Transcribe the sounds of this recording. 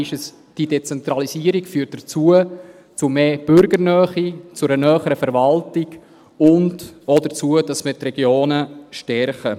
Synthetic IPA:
ɪʃəs | d̥idet͡sɛntɾɑlisiəɾikfyːɾt̚d̥ət͡suə | t͡sʊmeːb̥ʏɾɡəɾnœːχit͡sʊɾənœːχəɾəfɛɾvɑltɪɡ | ʊndodət͡suəd̥ɑsmətrɛɡjoːnəʃtɛɾχə

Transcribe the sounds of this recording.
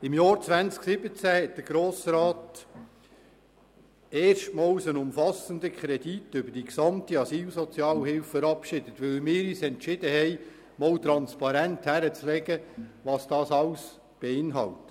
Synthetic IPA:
ɪmjɑːɾt͡sʋænt͡sksɪbət͡sæhɛt̚d̥̪əɡ̥ɾoːsɾɑːt | eːrʃtmɑːlsənʊmfɑsəndəkχɾɛd̥itʏbəɾd̥iksɑmtiɑsiːlsɔt͡sjɑːlhɪlffəɾɑpʃɪd̥ət̪ʋɵlmɪːɾyːsɛntʃɪd̥əhɛɪ | mɔwt̪ɾɑnspɑɾænthæɾət͡slɛɡəʋɑːsd̥ɑːsɑls | b̥eɪnɦɑ̰lt

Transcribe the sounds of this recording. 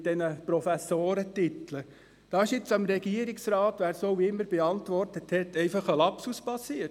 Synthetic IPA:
d̥ɛnəpɾɔfæsːoːɾətitlə | d̥ɑːɪʃjɪt͡sɑmɾɛɡiəɾɪksɾɑːtʋæːɾsoːʋiɪmːəɾb̥eɑntʋɔrtəthɛtʰːɛɪfɑχəlɑpsuspɑsiət

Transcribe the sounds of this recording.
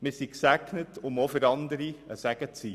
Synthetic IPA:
mɪɾsiksæɡnətʰʊmofəɾɑnd̪əɾiəsæɡ̥ət͡si

